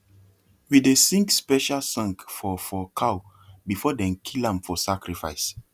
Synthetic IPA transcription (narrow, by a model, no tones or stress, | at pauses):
widesĩŋkspɛʃalsãŋkfɔfɔkʰaw | bifɔdɛ̃nkʰilãmfɔsakɹifa̰ɪs